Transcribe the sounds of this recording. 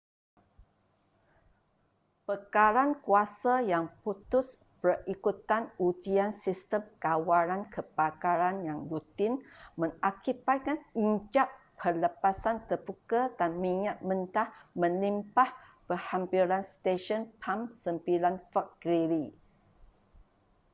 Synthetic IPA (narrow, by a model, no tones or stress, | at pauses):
pəkaɾankuasajaŋput̪ʊs | pərikut̪anud͡ʒiansist̪əmkawaɾankʰəbakaɾanjaŋlut̪ɪnmə̃ŋakibat̪̚kaniɲd͡ʒaʔʰələpasant̪ərbukadanmiɲat̪̚mənt̪ahmə̃limpahpəhampilanst̪eʃɔnpʰamsəmpilanfak̚ɡiɾi